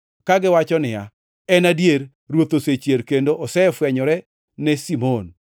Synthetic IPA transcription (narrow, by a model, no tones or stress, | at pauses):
kaɡɪwat͡ʃɔnɪja̰ | ɛnadjeɾ | ɾwot̪oset͡ʃjeɾkendoʔɔsɛfwɛɲɔɾɛ | nɛsimon